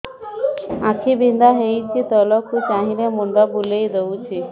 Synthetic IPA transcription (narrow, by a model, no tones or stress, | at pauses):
ãkʰibʱind̪aɦejt͡ʃit̪ɔlɔkʰːut͡ʃaɦinemund̪abulejd̪eut͡ʃʰi